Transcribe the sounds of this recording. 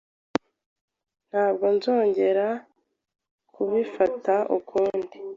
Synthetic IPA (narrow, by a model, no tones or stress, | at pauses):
n̥haːb̚ɡo̞nzo̞ːɲɟe̞ɾa | kʰuβifataʔṵkʰuːndi